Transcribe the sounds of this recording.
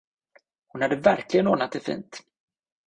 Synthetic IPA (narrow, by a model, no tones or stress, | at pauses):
hʊnhad̪ːəvæɾklɪɡənoːnat̪̚d̪ɛfḭːnt̪